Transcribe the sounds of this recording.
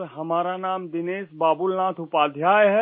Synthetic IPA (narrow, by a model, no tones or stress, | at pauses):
ɾɦɐmaːɾanaːmd̪ɪneːsbaːbʊlnaːt̪ʰʊpaːd̪ʱjaːjɦɛ